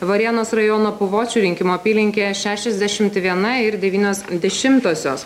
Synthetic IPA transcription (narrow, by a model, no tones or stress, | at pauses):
ʋɐɾʲiɛnoːsɾɐjoːnoːpʊʋoːt͡ʃʲuːɾʲɪŋʲkʲɪmoːpʲiːlʲɪŋʲkʲeːʃʲæːʃʲɛzʲd̪ʲæʃʲɪmt̪ʋʲiɛnɐɪɾd̪ʲɛʋʲiːnʲoːsd̪ʲɛʃʲɪmt̪oːsʲoːs